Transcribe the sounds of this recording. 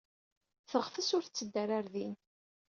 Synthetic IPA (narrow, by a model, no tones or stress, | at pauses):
θəʁfəsʊɾθt͡sːəd̪ːæɾaɾðin